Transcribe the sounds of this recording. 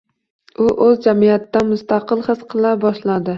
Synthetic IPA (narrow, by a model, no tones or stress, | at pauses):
ʊʔɵzd͡ʒamijat̪d̪anmʊst̪ɑqɨlˠχɨsqʰɨlˠabɒʃlad̪ɪ